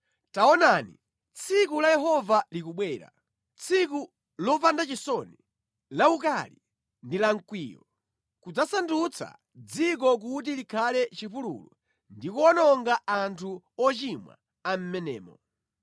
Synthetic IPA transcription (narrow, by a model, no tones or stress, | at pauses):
taɔnanḭ | t͡sʰik̬ulajɛɦɔvalikuɓwɛːɾa̰ | t͡sʰik̬u | lɔpandat͡ʃisɔni | lauk̬ali | ndilaŋ̩kwiːjɔ̰ | kud͡zasandut͡sʰa̰ | d͡zik̬ɔk̬ut̬ilikʰalɛt͡ʃipulṵlu | ndikuɔnɔŋɡaʔantʰu | ɔt͡ʃimwa̰ | am̩mɛnɛːmɔ